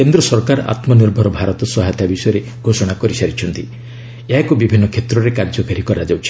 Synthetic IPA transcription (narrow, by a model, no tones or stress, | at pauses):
kend̪ɾɔsɔɾkaɾa̰t̪mɔniɾbʱɔɾɔbʱaɾɔt̪ɔsɔɦajt̪abisɔjɔɾe | ɡʱosɔɽ̃akɔɾisaɾit͡ʃʰɔnt̪i | eɦakubibʱinːɔkʰet̪ɾɔɾekaɾd͡ʒɔkaɾikɔɾad͡ʒawt͡ʃʰi̥